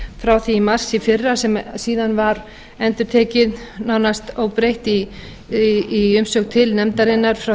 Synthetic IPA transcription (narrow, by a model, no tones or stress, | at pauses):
fɾawθiimar̥sifɪrːasɛmsiːðanvaɾ | ɛnt̪ʏɾ̥t̪ʰɛːcɪð | naːwnast̪owpɾejht̪i | ʏmsœːkt̪ʰɪlnɛmt̪aɾɪnːaɾ̥fɾa